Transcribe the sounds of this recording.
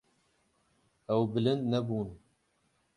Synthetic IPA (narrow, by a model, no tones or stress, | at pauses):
ɛwbɨlɨnd̪nɛbuːn